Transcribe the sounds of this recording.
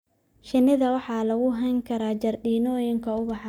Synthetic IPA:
ʃɪnɪðɐwɑħɑːlɐɣʊɦɛŋkʰɐɾaːt͡ʃɐrɗiːnɔːjɪŋkʰɐʊbɑħɑ

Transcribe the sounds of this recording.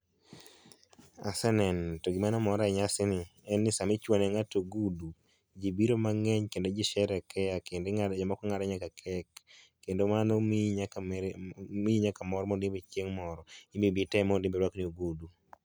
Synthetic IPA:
a̰sɛnɛntoɡimanɔmɔɾaɛɲasɪnɪɛnːɪsamɪt͡ʃwɔnɛŋatoɡudu | d͡ʒibiɾomaŋɛɲkendod͡ʒiʃɛɾɛkɛjakendɪŋaɾd͡ʒɔmɔkɔŋaɾɛɲakakʰɛkː | endomanomɲk | miiɲakamɔɾmodɪmbet͡ʃeŋmɔɾɔimibitɛmondimbewaknioɡudu

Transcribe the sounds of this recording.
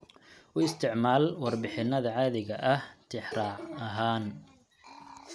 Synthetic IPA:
ʔʊɪst̪ʰɪʕmaːlwɑrbɪħɪnːɐðɐʕɑːðɪɣɐʔɐht̪ʰɪħrɑːʕɐɦaːn

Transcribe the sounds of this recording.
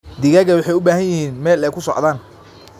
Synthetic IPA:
d̪ɪɣɐɣɐwʊħɑjʊbaːhɐnjɪhiːnmɛːlɛkʰʊsɔʕðaːn

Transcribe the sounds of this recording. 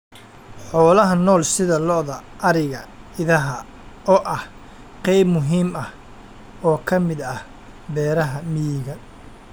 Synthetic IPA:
ħɔːlɐɦɐnɔːlsɪðɐlɔʔðɐʔɐɾɪɣɐ | ɪðɐɦɐ | ʔɔːʔɐh | qɛjbmʊɦiːmɐh | ɔːkʰɐmɪd̪ɐh | bɛːɾɐɦɐmijɪɣɐ

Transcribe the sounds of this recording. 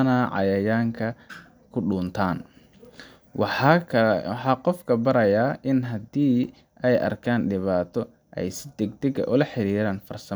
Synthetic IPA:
naːʕɑ̰jɐjaːŋkʰɐ | kʰʊɖʊːnt̪ʰaːn | ħɑːqɔfkʰɐbɐɾɐjaːʔɪnɦɐd̪iː | ɛjʔɐ̰rkʰaːnɖɪβaːt̪ʰɔ | ʔɛ̰jsɪd̪ɛɡ̚d̪ɛɡɐ̰ʔʊlɐħɪɾiːɾaːnfɐrsɐ

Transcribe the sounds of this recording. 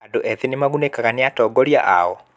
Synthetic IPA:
adoʔeðinimaɣunekaɣaniatɔːɡɔljaʔa̰ɣɔ

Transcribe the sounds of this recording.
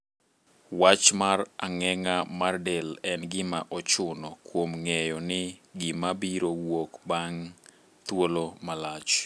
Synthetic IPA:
wat͡ʃmaraŋɛŋamardɛlɛnɡɪmaʔɔt͡ʃʊnɔkwomŋɛjɔnɪɡɪmabiɾowokbaŋ | t̪wolomalat͡ʃ

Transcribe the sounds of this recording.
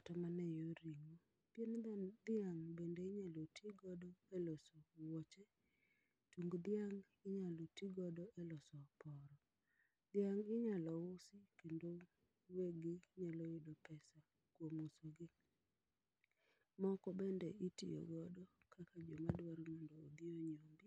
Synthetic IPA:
atɔmanɛjoɾiŋo | pjend̪ɪaŋbendeɪɲalotʰiɡɔdɔɛlɔsɔwɔt͡ʃe | tuŋɡd̪ɪaŋ | ɪɲalotiɡɔdɔʔɛlɔsɔpɔɾɔ | d̪̥ɪaŋɪɲalɔwosikendo | weɡɪɲalojɪdɔpɛsa | kwomosoɡɪ | mɔkɔbendeʔitḭjɔ̰ɡɔdɔkʰakad͡ʒomadwaɾmondoːd̪ɪoɲombɪ

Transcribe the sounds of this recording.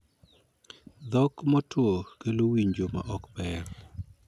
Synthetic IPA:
d̪ɔkmɔtwokelowiɲd͡ʒoma̰ʔɔkpɛɾ

